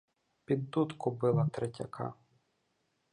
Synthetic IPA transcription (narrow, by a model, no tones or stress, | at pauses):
pʲid̪ːut̪kʊbɪlˠɐt̪ɾetʲɐ̰kʰɑ̰